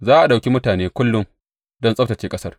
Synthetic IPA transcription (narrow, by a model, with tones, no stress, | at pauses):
zaː˦ʔa˨ɗa˨wkʲi˦mʊ˦taː˨neː˦kʷʊ˦lːʊ˦ŋ | dɔ˦nsʼɐ˦ɸtɐ˨t͡ʃeː˦kʼɐ˦sɐ˦r